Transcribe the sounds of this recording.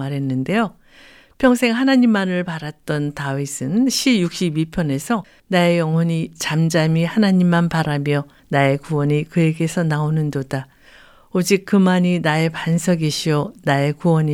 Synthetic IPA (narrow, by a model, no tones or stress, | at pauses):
aɾɦe̞nːɯnde̞jo | pʰjʌŋsʰeŋɦanaɲimːanɯɭpaɾat̚t͈ʌntaisʰɯnɕʰibjuk̚ɕ͈ibipʰjʌne̞sʰʌ | nae̞jʌŋwʌɲit͡ɕamd͡ʑamihanaɲimːanpaɾamjʌ | nae̞kuwʌɲikɯe̞ɡe̞sʰʌnaonɯndoda | od͡ʑik̚kɯmaɲinae̞pansʰʌɡiɕʰiʌnae̞kuwʌɲi